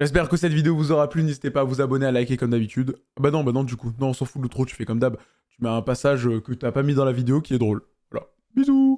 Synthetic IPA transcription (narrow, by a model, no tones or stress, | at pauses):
ʒ̥ɛs̬pɛʁkəsɛt̪vid̪eovuzɔʁaplynezit̪epaːvuzabɔnealakʲekɔmd̪abit̪yd̪ | abanɔ̃banɔ̃d̪ykunɔ̃ɔ̃sɑ̃fulət̪χot̪y̥fɛkɔmd̪ab | t̪ymɛɛ̃pasaʒøkət̪yapamid̪ɑ̃lavid̪eokʲiɛd̪ʁol | vwala̰ | bizu